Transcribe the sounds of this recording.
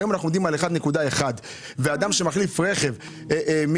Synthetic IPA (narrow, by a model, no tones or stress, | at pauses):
jomanaχnumd̪imaleχad̪ne̞kud̪ae̞χad̪ | vead̪amʃe̞maχlifʁe̞χe̞v | m